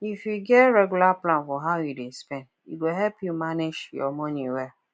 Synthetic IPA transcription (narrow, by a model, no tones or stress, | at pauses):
ifjuɡɛtɹɛɡulaplãnfɔɦaʊjidespɛ̃nd | iɡoɦɛpjumaned͡ʒjɔ̰mɔ̃niwɛ